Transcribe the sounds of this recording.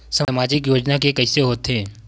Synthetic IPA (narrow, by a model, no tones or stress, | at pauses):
samaːd͡ʒɪkjoːd͡ʒnakekɐɪseɦoːt̪ɦɛ̃ː